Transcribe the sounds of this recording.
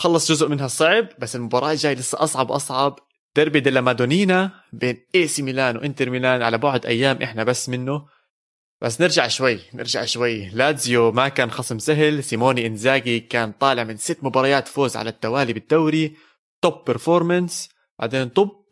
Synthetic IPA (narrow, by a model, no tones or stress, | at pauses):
xɑlːɑsˤʒʊzʔmɪnɦasˤɑʕb̚basːɪlmʊbɑːɾˤɑːt̪ʒaːjlɪsːaʔɑsˤʕɑbwʔɑsˤʕɑb | d̪̥ɑɾˤbid̪ɪlːamaːd̪uːniːna | beːnʔeːsimilaːnwʔɪnt̪ɪɾmilaːnʕalabʊʕʊd̪ʔa̰jːaːmʔɪħnabasːmɪnːʊ | b̥as̬ːnɪɾʒaʕʃwajːnɪ̰ɾʒa̰ʕʃwajːlaːzjomakaːnxɑsˤɨmsaɦɪlsimoːniʔɪnzaːɡikaːnt̪ˤɑːlɪʕmɪnsɪt̪ːmʊbɑːɾˤɑjaːt̪foːzʕa̰lat̪ːawaːlibɪd̪̥ːawɾi | t̪oːpːɪɾfoːɾˤmans | b̥a̰ʕd̪eːnt̪ˤʊb̚